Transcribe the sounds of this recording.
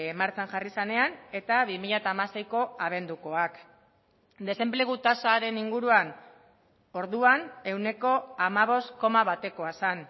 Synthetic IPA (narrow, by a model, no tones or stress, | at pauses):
maɾt͡sanʝarisane̞ane̞t̪aβimiʎat̪aːmase̞jko̞aβ̞e̞nd̪uko̞ak | d̪e̞se̞mple̞ɣ̞ut̪asaɾe̞niŋɡuɾuan | o̞ɾðuane̞wne̞ko̞amaβ̞o̞st̪ko̞maβat̪e̞ko̞asan